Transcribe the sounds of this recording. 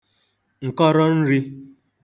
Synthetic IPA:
ŋ̩˨kɔ˦ɾɔ˦n̩˦ɾi˦

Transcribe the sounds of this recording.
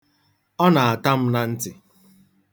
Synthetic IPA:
ɔ˦na˨a˨ta˦m̩˦na˦n̩˦tɪ˨

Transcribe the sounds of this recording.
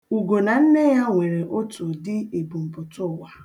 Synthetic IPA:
u˨ɡo˨na˨n̩˦ne˦ja˦ŋʷe˨ɾe˨ʔo˦to˨dɪ˦e˨bu˨m̩˨pʊ˨tʊ˦˨wa˨

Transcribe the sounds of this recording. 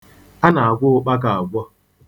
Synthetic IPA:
a˦na˨a˨ɡʷʊ˦k͡pa˦k̬a˨a˨ɡʷɔ˦

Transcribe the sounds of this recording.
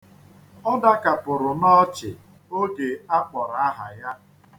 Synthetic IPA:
ɔ˦da˦ka˨pʊ˨ɾʊ˨nɔ˦t͡ʃɪ̰˨ | o˦ɡe˨a˦k͡pɔ˨ɾa˨a˦ɦa̰˨ja˦

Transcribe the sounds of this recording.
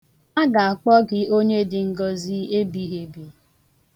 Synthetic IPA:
a˦ɡa˨a˨k͡pɔ˦ɡɪ˨o˦ɲe˦dɪ˨ŋ̩˦ɡɔ˦zi˦e˦bi˦ɦe˨bi˨

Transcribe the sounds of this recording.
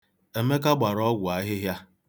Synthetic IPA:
e˨me˦ka˦ɡ͡ba˨ɾɔ˦ɡʷʊ˨a˦ɦɪ˦ɦja˦

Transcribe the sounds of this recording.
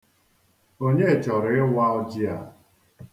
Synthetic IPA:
o˦ɲe˦˨t͡ʃɔ˨ɾɪ˦wa˦ɔ˦d͡ʒi˦a˨

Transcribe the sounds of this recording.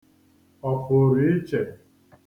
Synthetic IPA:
ɔ˨fʊ˨ɾi˦t͡ʃe˨

